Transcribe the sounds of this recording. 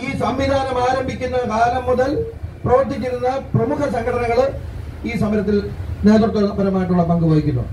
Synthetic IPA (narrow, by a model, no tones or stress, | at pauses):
iːsɐmʋid̪ʱaːnɐmaːɾɐmbʱikʲːunːɐkaːlɐmːuðɐlprɐʋɐrt̪̬ikʲːiɾunːɐprɐmukʰɐsɐŋɡʰɐʈʰɐnɐŋːɐɭ | iːsɐmɐɾɐt̪ːilne̞ːðurt̪ːɐnɐbɐɾɐmaːjiʈːuɭːɐpɐŋɡuboːjikʲːunːṵ